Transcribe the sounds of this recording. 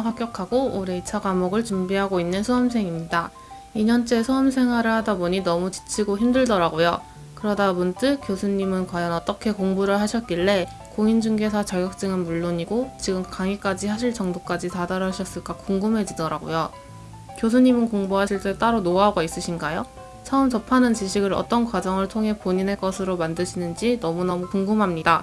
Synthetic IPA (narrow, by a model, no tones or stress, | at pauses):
ɦak͈jʌkʰaɡoːɾe̞it͡ɕʰaɡamoɡɯɭt͡ɕumbiɦaɡoinːɯnsʰuʌms̬ʰe̞ŋimɲida | iɲʌnt͡ɕ͈e̞sʰoɦʌmsʰe̞ŋɦwaɾɯɭhadaboɲinʌmut͡ɕi̥t͡ɕʰiɡoçimdɯɭdʌɾaɡojo | kɯɾʌdabunt͈ɯkjosʰuɲːimɯnkwajʌnʌt͈ʌkʰe̞koŋbuɾɯɭɦaɕʰʌt̚k͈iɭːe̞ | koŋind͡ʑuŋɡe̞sʰat͡ɕaɡjʌk̚t͈ɯŋɯnmuɭːoɲiɡot͡ɕiɡɯmkaŋik͈ad͡ʑihaɕ̬ʰiɭt͡ɕʌŋdok͈ad͡ʑitadaɾʌɕʰʌs͈ɯɭk͈akoŋɡɯmɦe̞d͡ʑidʌɾaɡo̰jo | kjos̬ʰuɲimɯnkoŋboɦaɕʰiɭt͈e̞t͈aɾonoaɦɡais͈ɯɕʰinɡajo | t͡ɕʰʌɯmt͡ɕʌpʰanɯnt͡ɕiɕʰiɡɯɾʌ̰t͈ʌnkwad͡ʑʌŋɯɭtʰoŋɦe̞poɲineɭk͈ʌsʰɯɾomandɯɕʰinɯnd͡ʑinʌmunʌmukoŋɡɯmɦamɲida